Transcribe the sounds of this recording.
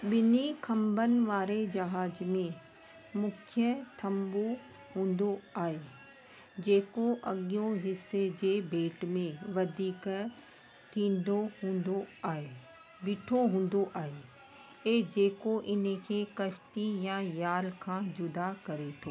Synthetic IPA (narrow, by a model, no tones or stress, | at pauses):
ɓɪnikʰɐ̃mbənɪ̆ʋaːɾed͡ʑɐɦaːzmẽ | mʊkʰjət̪ʰɐmbu | ɦũːn̆d̪oaːɦe | d͡ʑeːkoʔɐɠijõɦɪsed͡ʑeːbʱeːʈmẽʋɐd̪ʱiːk | ʈ̪ʰĩːn̆d̪oɦũːnd̪oaːɦe | ɓiːʈʰoɦũːn̆d̪oʔaːɦe | eːd͡ʑeːkoʔɪnkʰeːkɐʃt̪ijãjaːɾkʰãːd͡ʑʊd̪akɐɾet̪ʰoː